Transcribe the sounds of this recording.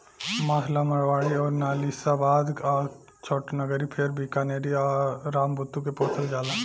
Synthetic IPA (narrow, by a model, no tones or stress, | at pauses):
maːɦlamɐɽʋaːɽiɔːɾnaːlisabaːd̪a | t͡ʃʰoːʈnəɡəɾipʰɪɾbʱikaneːɾiɔːɾaːmbʱʊt̪ːuk̬epoːt̪ʰəld͡ʒaːlaː